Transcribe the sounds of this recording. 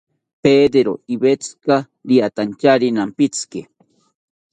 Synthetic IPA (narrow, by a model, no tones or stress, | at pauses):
peːd̪eɾoibet͡ska | ɾiat̪ant͡ʃaɾinampit͡ske